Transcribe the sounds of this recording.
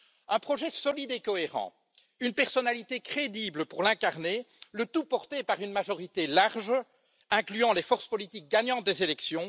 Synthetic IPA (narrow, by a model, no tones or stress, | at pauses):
ɛ̃pχɔʒɛsɔlid̪ekɔeʁɑ̰̃ | ynpɛʁsɔnalit̪ekχed̪ibləpuʁlɛ̃kaʁnelət̪upɔʁt̪epaʁynmaʒɔʁit̪elaʁʒ | ɛ̃klyɑ̃lefɔʁspɔlit̪ik̚ɡaɲɑ̃t̪̚d̪ezelɛksjɔ̃